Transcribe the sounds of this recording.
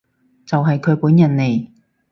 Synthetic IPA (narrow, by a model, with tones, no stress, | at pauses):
t͡sɐ˨wɦɐ˨jkʰɵ˨˧ɥpuː˨˥njɐ˨˩nːe˨j